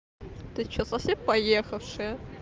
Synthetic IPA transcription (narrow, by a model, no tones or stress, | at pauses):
t̪ɨt͡ɕːosɐfsʲempɐjexɐfʂɨjə